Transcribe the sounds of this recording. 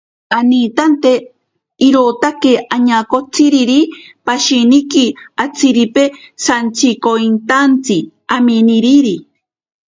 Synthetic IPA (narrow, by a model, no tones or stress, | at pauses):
anit̪ant̪e | iɾot̪akeaɲakot͡sʰiɾiɾipaʃinikiat͡siɾipesant͡sʰikoint̪ant͡si | aminiɾiɾi